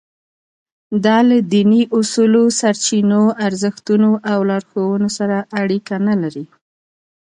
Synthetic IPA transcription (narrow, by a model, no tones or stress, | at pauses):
d̪ɑlad̪iniʔʊsulosaɾt͡ʃinoʔaɾzəxt̪unoʔawlɑɾxowənosaɾaʔːɽikanalaɾi